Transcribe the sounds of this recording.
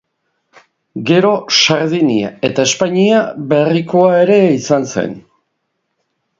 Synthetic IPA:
ɡe̞ɾo̞saɾðinia̰e̞t̪ae̞spaɲiaβe̞riko̞ae̞ɾe̞isansḛn

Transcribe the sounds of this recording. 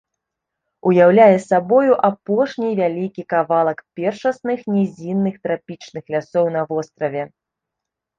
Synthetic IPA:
ujawlʲajɛsabɔjuʔapɔʂnʲivʲalʲikʲikavalˠɐkpʲɛrʂɐsnɨxnʲɛzʲinːɨxt̪ɾapʲit͡ʂnɨxlʲasɔwnɐvɔst̪ɾɐvʲɛ

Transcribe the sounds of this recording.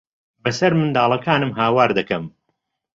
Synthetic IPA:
bɐsɐɾmɨnd̪aːlˠɐkaːnɨmɦaːwaːɾd̪ɐkɐm

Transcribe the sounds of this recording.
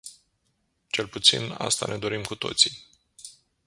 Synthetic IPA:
t͡ʃe̞lput̪sḭna̰st̪ane̞d̪o̞ɾimkut̪o̞̰t̪si

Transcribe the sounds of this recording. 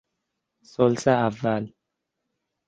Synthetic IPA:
sɔlsaaval

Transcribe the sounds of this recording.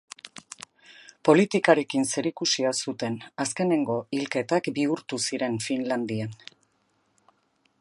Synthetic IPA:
po̞lit̪ikaɾe̞kinse̞ɾikusiasut̪e̞naske̞ne̞ŋɡo̞ilke̞t̪akbiuɾt̪usiɾe̞nfinland̪ian

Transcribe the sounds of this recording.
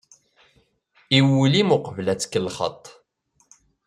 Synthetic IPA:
iwulimʊqəvlæt͡sːə̥kːəlχə̰t̪ˤː

